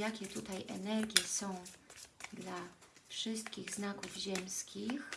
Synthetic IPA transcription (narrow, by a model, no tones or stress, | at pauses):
jakʲɛt̪ut̪ajʔɛ̰nɛɾɡʲjɛsɔ̃w̃d̪lafʂɘst̪̚kʲiɣznakuvʑɛmskʲix